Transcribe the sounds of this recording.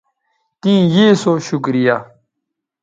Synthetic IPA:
t̪ĩːjeːsoɕukɾija

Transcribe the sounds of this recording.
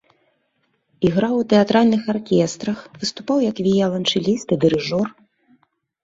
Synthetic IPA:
iɣɾawwt̪ɛat̪ɾalʲnɨxarkʲɛst̪ɾɐxvɨst̪upawjɐkvʲijɛlˠɐnt͡ʂɨlʲist̪ɨd̪ɨɾɨʐɔr

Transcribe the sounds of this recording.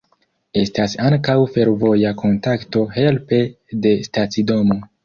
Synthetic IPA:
e̞stasaŋkawfe̞ɾvo̞jakʰo̞ntakto̞ɦe̞lpe̞ | de̞statsido̞mo̞

